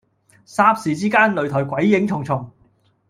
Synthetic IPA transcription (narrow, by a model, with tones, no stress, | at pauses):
saː˧p̚siː˨t͡siː˥kaː˥nlɵ˨ɥt̪ʰɔː˨˩jkʷɐ˨˥jːɪ˨˧˥ŋt͡sʰʊ˨˩ŋt͡sʰʊ˨˩ŋ